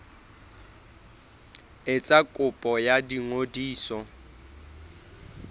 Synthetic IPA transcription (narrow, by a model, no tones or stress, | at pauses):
ɪt͡sʼakʼʊpʼɔjadiŋodiːsɔ